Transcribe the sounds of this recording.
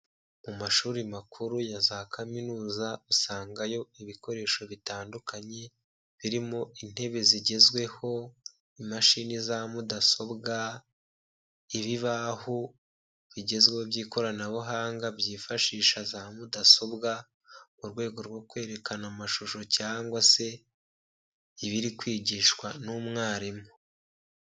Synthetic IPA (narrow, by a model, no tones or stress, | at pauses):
mumaʃuːɾimakʰuɾujazakʰaminuːzausaːŋɡajo̞iβiko̞ɾe̞ːʃo̞βitaːndukʰaɲe̞ | βiɾimo̞in̥he̞βe̞ziɟe̞zɡwe̞ho̞ | imaʃinizamudaso̞bɡa | iβiβahu | βiɟe̞zwehobjiːko̞ɾanaβuɦaːŋɡabjiːfaʃiːʃazamudaso̞bɡa | muɾɡwe̞ːɡo̞ɾɡwo̞kwe̞ːɾe̞kanamaʃuʃo̞caːŋɡwase̞ | iβiɾikwiːɟiːʃwanumŋaːɾimo